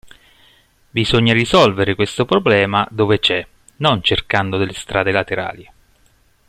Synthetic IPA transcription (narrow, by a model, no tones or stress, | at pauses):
bizoɲːarisɔlveɾekwest̪opɾoblɛːmad̪oːvet͡ʃɛ | nont͡ʃerkand̪od̪elːest̪ɾʔaːd̪elat̪eɾa̰ːli